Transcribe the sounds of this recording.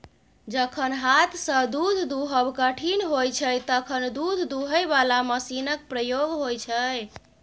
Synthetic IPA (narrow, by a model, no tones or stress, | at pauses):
d͡ʒəkʰənɦat̪ʰsə̃d̪ud̪ʱd̪uɦəbkəʈʰinɦojt͡ʃʰəjt̪əkʰənd̪ud̪ʱd̪uɦəjbalaməsinək̚pɾəjoɡɦojt͡ʃʰəj